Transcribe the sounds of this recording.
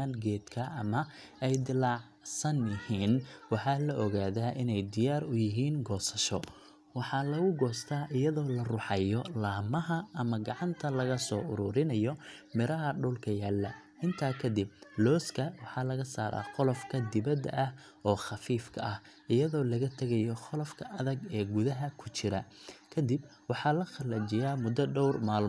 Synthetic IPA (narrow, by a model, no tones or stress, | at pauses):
aːnɡɛːd̪kʰɐʔɐmɐ | ɛjd̪ɪlɑʕ | sɐnjɪhiːnwɑħɑːlɐʔɔɣaːðaːʔɪnɛjd̪ɪjaːɾʊjɪɦiːnɡɔːsɐʃɔ̰ | wɑħɑlɐɣʊɡɔːst̪ʰaːʔɪjɐðɔːlɐrʊħɑjɔlaːmɐɦɐɐmɐɡɑʕɑnt̪ʰɐlɐɣɐsɔːʔʊɾʊɾɪnɐjɔmɪɾɐɦɐɖɔlkʰɐjaːlːɐ | ʔɪnt̪ʰaːkʰɐd̪ɪb̚lɔːskʰɐwɑħɑːlɐɣɐsa̰ːɾa̰ːχɔlɔfkʰɐd̪ɪβɐd̪ːɐ̰ʔɐh | ɔːχɑfiːfkʰɐ̰ʔɐh | ʔɪjɐðɔːlɐɣɐt̪ʰɐɣɐjɔχɔlɔfkʰɐʔɐðɐɡɛːɡʊðɐɦɐkʰʊt͡ʃɪɾɐ̰kʰɐd̪ɪbwɑħɑːlɐxɐlɐt͡ʃɪjaːmʊd̪ɐɖɔwrmaːl